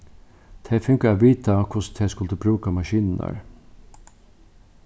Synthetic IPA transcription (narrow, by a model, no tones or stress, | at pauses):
t̪ʰeːfʉŋkəoːʋiːt̪ʰɑkʰʊst̪ʰeːskʉld̪ʉːbɾʉːkɑmɑʃiːnn̩æ̰ɾ